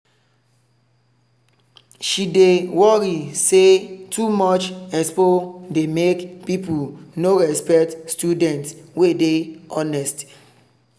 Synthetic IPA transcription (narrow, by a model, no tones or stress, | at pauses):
ʃidewɔɾisetʰumɔt͡ʃɛspodemekpipunoɹɛspɛktstjudɛ̃ntswedeɔnɛst